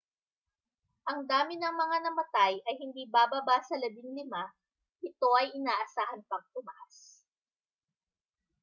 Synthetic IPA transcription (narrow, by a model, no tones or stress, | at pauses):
ʔɐŋd̪aːmɪnɐŋmɐŋanɐmɐt̪ajɐjhɪnd̪iːbaːbɐbasɐlɐbɪŋlɪma | ʔɪt̪o̞ʔɐjʔɪnaːʔɐsaːhɐnpɐŋ̚t̪ʊmɐʔas